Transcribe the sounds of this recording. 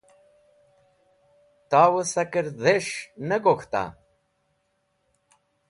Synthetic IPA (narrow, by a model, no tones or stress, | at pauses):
t̪aːwəsɐkəɾd̪eʂnəɡoxt̪a̰